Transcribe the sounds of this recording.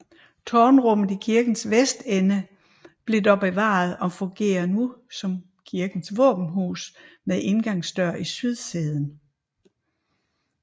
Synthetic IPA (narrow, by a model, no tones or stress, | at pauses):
t͡sʰɒːnʁɔ̽m̰ð̩ˠikʰiɐɡ̥n̩sʋesd̥enə | b̥le̝d̥ɒb̥eʋɑ̰̈ð̞ˠɒ̽fɔ̽ŋɡ̥e̝̰ːɐnusɒ̽m | kʰiɐɡ̥n̩sʋɔ̰̽ːb̥n̩ɦṵːsmeðˠʔe̝nɡ̥ɑ̈ŋsd̥ɶɐ̰isyð̞ˠseð̞ˠn̩